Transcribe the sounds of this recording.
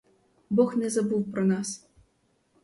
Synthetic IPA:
bɔxnʲɛzabuwpɾɐnas

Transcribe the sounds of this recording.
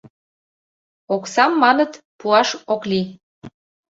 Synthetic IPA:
oksɑmːɑnət̪ | puɑʃokli

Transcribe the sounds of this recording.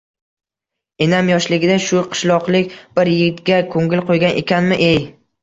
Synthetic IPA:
enamjɒʃlɪɡʲɪd̪aʃʊqʰɨ̥ʃlˠɒqlˠɪk̚ʲb̥ɪɾjɪɡʲɪt̪ɡʲakʰoŋɡʲɪlqʰojɡʲanʔe̞kʲanmɪʔej

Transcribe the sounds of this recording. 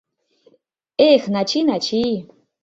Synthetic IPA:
exnat͡ʃʰinat͡ʃʰi

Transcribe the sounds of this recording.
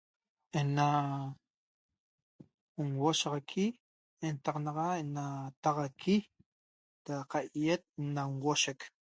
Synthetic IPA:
ena | uŋwoʃɑʁɑkʰi | ent̪ɑqnɑʁɑenat̪ɑʁɑkʰi | d̪̥aqaʔjet̪̚naŋwoʃek

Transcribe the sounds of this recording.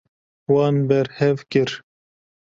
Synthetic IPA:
wɑːnbɛɾhɛvkɨɾ

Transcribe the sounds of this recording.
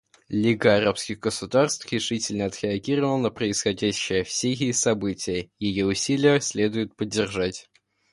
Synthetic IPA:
lʲiɡəɐɾapskʲɪɣɡəsʊd̪arst̪fɾʲɪʂɨtʲɪlʲnəɐt̪ɾʲɪɐɡʲiɾəvəlˠənəpɾəɪsxɐdʲæɕːɪjəfsʲejʲɪsɐbɨtʲɪjəjɪjoʊsʲilʲɪjəsʲlʲe̞d̪ʊjʊt̪̚pədʲːɪrʐatʲ

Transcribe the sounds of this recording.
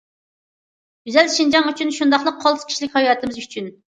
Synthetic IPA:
ɡyzɛlʃind͡ʒɑŋyt͡ʃʰynʃund̪ɑχlˠəq̚ʰːɑl̥ˠkʰʲi̥ʃlɪkʲhɑjɑːt̪ʰɨmɨzyt͡ʃʰyn

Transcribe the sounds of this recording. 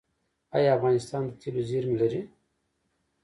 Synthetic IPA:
ɑjafɣɑːnɪst̪ɑːnd̪ət̪ʰiloziɾmilɐɾi

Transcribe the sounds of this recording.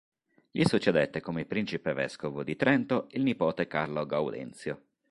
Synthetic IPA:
ʎisut͡ʃːed̪et̪ːekomepːɾint͡ʃipevɛ̰skovod̪it̪ɾɛnt̪oilnipɔːt̪ekarloɡawd̪ɛ̰nt̪sjo

